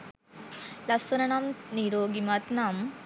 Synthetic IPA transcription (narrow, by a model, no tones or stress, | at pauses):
lɐsɐnɐnaːmniɾoːɡimat̪naːm